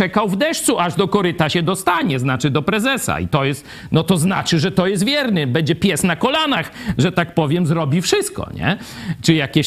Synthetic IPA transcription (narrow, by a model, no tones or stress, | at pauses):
ɛkawvd̪ɛʂt̪suʔaʐd̪ɔkɔɾɘt̪aɕɛd̪ɔst̪aɲɛznat͡ʂɘd̪ɔpɾɛzɛsa̰ḭt̪ɔjɛst̪ | nɔt̪ɔzna̰t͡ʂɘʐɛt̪ɔjɛst̪vʲjɛɾnɘbɛɲd͡ʑɛpʲjɛsnakɔlanaxʐɛt̪ak̚pɔvʲjɛmzɾɔbʲifʂɘst̪̚kɔ̰ɲɛ̰ | t͡ʂɘjakʲe